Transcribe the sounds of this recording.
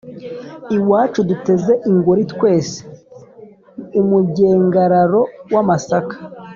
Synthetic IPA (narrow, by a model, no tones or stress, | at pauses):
iwaːt͡ʃudute̞zeʔiŋɡuɾitwe̞ːse̥ | umuɟe̞ːŋɡaɾaɾo̞wamasakḁ